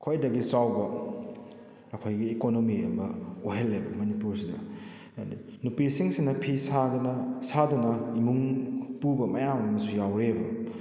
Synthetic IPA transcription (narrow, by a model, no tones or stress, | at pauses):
kʰojdɐɡisawbɐ | ɐkʰojɡiːkonomiḛmbɐoɦelːebɐmɐnipuɾsidɐ̰ | i | nupisiŋsinɐpʰisadnɐsadunɐimuŋpubɐmɐjamɐmɐsujawɾebɐ